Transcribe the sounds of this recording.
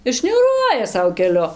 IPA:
ɪr ʃʲnʲuːˈruɔjɛ ˈsɐʊ kʲɛˈlʲʊ

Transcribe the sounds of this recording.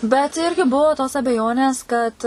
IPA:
bʲɛt ˈɪrʲɡʲɪ ˈbʊʋoː toːs ɐbʲɛˈjoːnʲeːs kɐt

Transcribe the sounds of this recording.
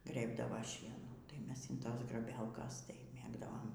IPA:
ˈɡrʲeːbdɐʋɐ ˈʃʲiɛnuː tɐɪ ˈmʲɛs ɪnˈtoːs ɡrɐˈbʲɛlˠkɐs tɐɪ ˈmʲeːɡdɐʋoːm

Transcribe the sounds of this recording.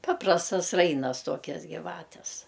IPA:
ˈpɑːprɐstɐs ˈrɐɪnɐs ˈtuɔkʲɛs ɡʲɪˈʋɑːtʲɛs

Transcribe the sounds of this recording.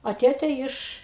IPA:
ɐ ˈtʲeːtʲeː ˈɪʃ

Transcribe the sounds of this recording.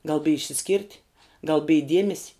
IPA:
ɡɐlˠ bʲɪj ɪʃʲsʲɪˈsʲkʲiːrʲtʲ ɡɐlˠ bʲɪj ˈdʲiɛmʲɛsʲɪ

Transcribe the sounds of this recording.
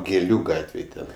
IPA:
ɡʲeːˈlʲuː ˈɡɑːtʲʋʲeːj ˈtʲɛn

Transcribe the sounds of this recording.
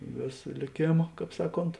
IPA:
ˈʋʲeːsɐ lʲeːˈkʲeːmɐ ˈkɑːp ˈsɑːˌkoːnt

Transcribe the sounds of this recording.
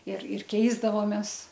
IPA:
ɪr ɪr ˈkʲɛɪzdɐʋoːmʲɛs

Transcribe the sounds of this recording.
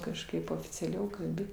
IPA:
kɐʃˈkɐɪp oːfʲɪt͡sʲɛˈlʲɛʊ kɐlʲˈbʲɪ

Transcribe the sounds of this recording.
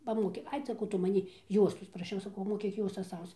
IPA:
pɐˈmoːkʲeː ˈɐɪ sɐˈkɐʊ ˈtʊ mɐˈnʲiː ˈjuɔstoːs prɐˈʃʲɛʊ sɐˈkɐʊ moːˈkʲiːk ˈjuɔstɐs ˈɐʊst͡s

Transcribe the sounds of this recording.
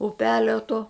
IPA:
ʊˈpʲæːlʲoː toː

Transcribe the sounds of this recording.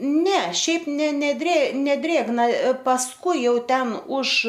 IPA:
ˈnʲɛ ˈʃʲɛɪp ˈnʲɛ nʲɛˈdʲrʲeː nʲɛˈdʲrʲeːɡnɐ pɐsˈkʊɪ ˈjɛʊ ˈtʲɛn ʊʃ

